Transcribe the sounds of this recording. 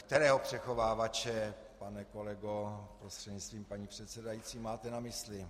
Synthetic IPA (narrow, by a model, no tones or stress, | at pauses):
kkt̪ɛɾɛːɦopr̝̥ɛxo̞vaːvat͡ʃɛ | panɛkolɛɡopɾost̪r̥ɛdɲɪt͡st̪viːmpaɲiːpr̝̥ɛt̪sɛdajit͡siːmaːt̪ɛnamɪslɪ